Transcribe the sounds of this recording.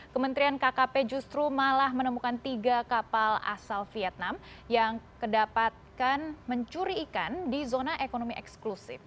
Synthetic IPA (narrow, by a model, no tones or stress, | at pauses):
kəmənt̪ɾiankakaped͡ʒust̪ɾumalahmənəmukant̪iɡakapala̰salfiɛt̪̚nam | jaŋkədapat̪̚kanməɲt͡ʃuɾiːkandizonaʔekonomiʔɛksklusɪ̰f